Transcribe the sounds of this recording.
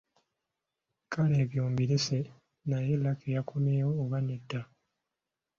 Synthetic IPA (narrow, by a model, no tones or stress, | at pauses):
kʰaleːβjoːmbiɾese | najelakʰejakʰomeːjoːβanedːa